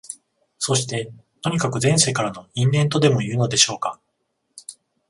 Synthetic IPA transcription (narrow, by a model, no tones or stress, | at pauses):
so̞ɕi̥t̪e̞ | t̪o̞ɲ̟ikakɯ̟zẽ̞ɰ̃seːkaɾano̞ĩmbẽ̞nt̪̬o̞d̪e̞mo̞iɯɯno̞d̪e̞ɕo̞ːka